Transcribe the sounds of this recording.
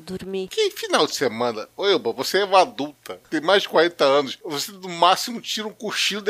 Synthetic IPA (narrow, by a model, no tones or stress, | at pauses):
d̪uɾmikɪfinawd͡ʒɪ̥semɐ̃nɐojobɐ̃voseɛũmad̪uwt̪ɐt̪ẽj̃majzd͡ʒɪkwaɾẽnt̪ɐɐ̃nʊsvosed̪ʊmasimʊt͡ʃiɾɐũkuʃĩʊd̪